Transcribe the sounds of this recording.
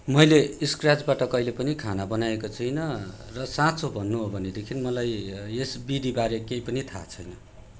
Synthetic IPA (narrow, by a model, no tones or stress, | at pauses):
mʌjleiskrad͡zbaʈʌkʌjlepʌnikʰanabʌnajekot͡sʰʌjnʌrʌsãt͡sʰobʱʌnːuɦobʱʌned̪ekʰinmʌlajesbid̪ibaɾekejpʌnit̪ʰa̰t͡sʰʌjnʌ